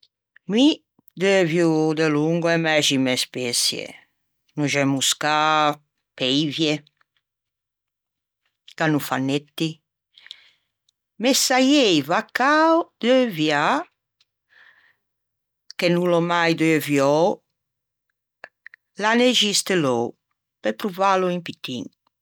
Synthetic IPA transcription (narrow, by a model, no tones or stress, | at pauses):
mi | d̪øevjud̪eluŋɡwɛmɛʃimɛspesjḛ | nuʒɛmuska | pɛjvje | ɡ̥anufanːet̪ːi | mesajejvakawd̪̥øvja | kenulɔmajd̪øvjɔ | laneʒist̪elɔ | pepɾuvaloimpit̪ːḭŋ